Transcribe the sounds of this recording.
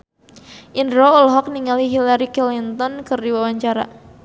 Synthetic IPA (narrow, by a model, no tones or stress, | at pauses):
ʔindɾɔɔlɦɔk̚niŋaliɦilaɾikɛlint̪ɔnkɨrdiwawaɲt͡ʃaɾa̰